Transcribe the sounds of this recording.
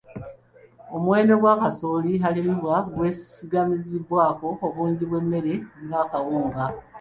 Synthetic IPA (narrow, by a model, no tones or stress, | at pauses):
o̞mwe̞ːndo̞ɡwaːkasoːliɦalimuβwaɡwe̞siɡamiziβwaːko̞ːβuːɲɟiβwe̞mːe̞ɾe̞nβaːkawuːŋɡa